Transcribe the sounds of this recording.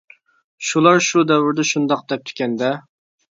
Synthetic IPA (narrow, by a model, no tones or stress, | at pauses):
ʃulˠɑɾʃud̪ɛwɪɾd̪ɛʃund̪ɑq̚d̪ɛp̚t̪ʰkʲɛnd̪ɛ